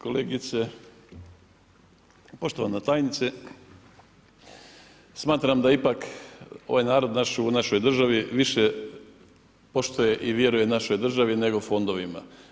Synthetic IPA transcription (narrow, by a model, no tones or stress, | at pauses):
ko̞leːɡit̪se | po̞ʃt̪o̞ʋanat̪aːjnit̪se | smaːt̪ɾamd̪aipako̞ʋajnaːɾo̞d̪naʃunaʃo̞jd̪r̩ʒaʋiʋiʃe | po̞ʃt̪oje̞ʔiʋje̞ɾuje̞naʃo̞jd̪r̩ʒaʋine̞ɡo̞fo̞nd̪o̞ʋima̰